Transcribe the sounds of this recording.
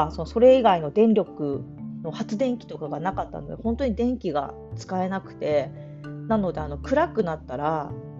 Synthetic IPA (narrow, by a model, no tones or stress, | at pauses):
so̞no̞so̞ɾe̞iɡaino̞d̪ẽ̞nɾʲo̞kɯ̟no̞hat͡sɨd̪ẽ̞ŋkʲi̥t̪o̞kaɡanakat̪ːa̰nod̪ehõ̞nt̪oɲ̟id̪ẽ̞ŋkʲiɡa̰ | t͡sɨ̥kae̞nakɯ̟̥t̪e̞ | nãno̞d̪e̞ano̞kɯ̟ɾakɯ̟nat̪ːaɾa